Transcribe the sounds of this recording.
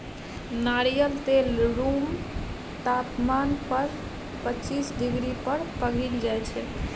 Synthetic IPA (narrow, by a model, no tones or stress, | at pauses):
naɾijəlt̪elɾum | t̪ap̪manpəɾ | pətːt͡ʃisɖiɡɾipəɾpəɡind͡ʒajt͡ʃʰɛ